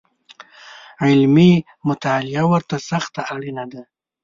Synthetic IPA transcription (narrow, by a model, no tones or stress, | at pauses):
ʕɪlmi | mʊt̪alɪawəɾt̪asaxt̪aʔaɽinad̪a